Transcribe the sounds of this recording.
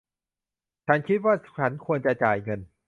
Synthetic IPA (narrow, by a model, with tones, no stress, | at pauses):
t͡ɕʰa˦˥nkʰi˦˥t̪̚waː˥˩t͡ɕʰa˦˥nkʰu˧ənt͡ɕa˨t͡ɕaː˨˩jŋɤ˧n